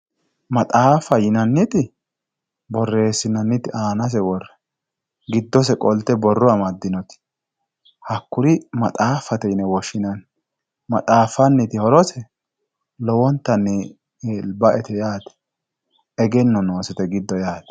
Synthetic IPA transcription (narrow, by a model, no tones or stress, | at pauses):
mɐt̪ʼaːfɐjɪnɐnːɪt̪ɪ | bɔrːe̞ːsːɪnɐnːɪt̪ɪʔaːnɐs̬ɛwɔrːɛ̥ | ɡɪd̪ːɔs̬ɛkʼɔlt̪ɛbɔrːʊɐmɐd̪ːɪnɔt̪ɪ̥ | hɐkːʊɾɪmɐt̪ʼaːfːɐt̪ɛjɪnɛwɔʃːɪnɐn | mɐt̪ʼaːfːɐnːɪt̪ɪhɔɾɔsɛ | lɔwɔnt̪ːɐnːɪ | lbɐʔɛt̪ɛjaːt̪ɛ̥ | ɛɡɛnːɔno̞ːsɛt̪ɛɡɪd̪ːɔjaːt̪ɛ̥